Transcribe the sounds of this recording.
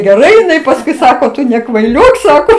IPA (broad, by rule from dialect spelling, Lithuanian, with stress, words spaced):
ɡʲɛˈrɐɪ ɪˈnɐɪ pɐsˈkʊɪ ˈsɑːkoː ˈtʊ nʲɛkʋɐɪˈlʲoːk ˈsɑːkoː